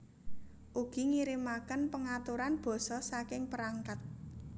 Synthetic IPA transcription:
ʔuɡ̥i̤ŋiɾimakənpəŋat̪uɾanb̥ɔ̤sɔsakɪŋpəɾaŋkat̪̚

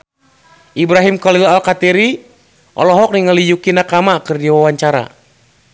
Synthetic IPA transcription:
ʔibɾaɦimkalilaalkat̪iɾi | ʔɔ̰lɔɦɔk̚niŋalijukinakamakɨrdiwawaɲt͡ʃaɾa̰

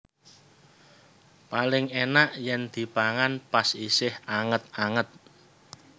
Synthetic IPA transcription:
palɪŋenaʔjɛnd̪̥i̤paŋanpasisɪhaŋət̪̚aŋət̪̚

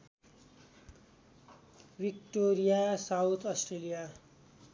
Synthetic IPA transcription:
bikʈoɾijasawt̪ʰʌsʈrelija

